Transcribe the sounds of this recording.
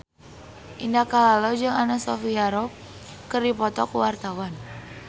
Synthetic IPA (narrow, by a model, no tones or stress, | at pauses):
ʔindakalalɔd͡ʒɨŋanasɔfiaɾɔp̚ | kərdipɔt̪ɔkuwart̪awan